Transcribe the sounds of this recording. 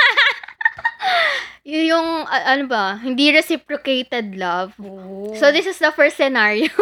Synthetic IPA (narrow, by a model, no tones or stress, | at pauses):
jjʊŋʔɐʔɐnobɐhɪnd̪iɾɛsipɹokejt̪ɛd̪̚lɐvsoðɪsɪsd̪ɐfɛɹst̪sɛnaɹio